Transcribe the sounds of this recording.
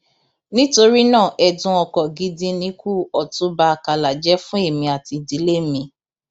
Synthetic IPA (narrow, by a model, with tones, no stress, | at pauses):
nĩ˦to˧ɾi˦nãː˦˨ʔɛ˧dũ˧ɔ˧kɔ˨ɡi˨˦dĩ˦nĩ˨˦ku˦ɔ˨tũ˨˦ba˧˦a˨ka˧la˨d͡ʒɛ˨˦fũ˦e˦˨mĩ˧a˨ti˨˧di˨˦le˦mĩ˧˦